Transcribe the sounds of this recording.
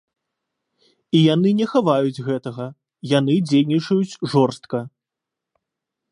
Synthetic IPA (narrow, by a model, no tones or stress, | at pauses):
ijanɨnʲɛxavajut͡sʲɣɛt̪ɐɣɐ | jan̪ɨd͡zʲejnʲit͡ʂɐjut͡sʲʐɔrst̪̚kɐ